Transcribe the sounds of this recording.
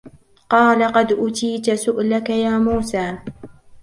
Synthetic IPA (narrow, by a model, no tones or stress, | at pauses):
qɑːlaqɑd̪ʔʊt̪iːt̪asʊʔlakajaːmuːsaː